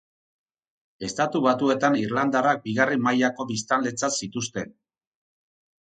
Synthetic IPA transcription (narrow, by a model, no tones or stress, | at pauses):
e̞st̪at̪uβat̪ue̞t̪aniɾland̪arak̚biɣarimajako̞βist̪anle̞t͡sasit̪us̬t̪e̞n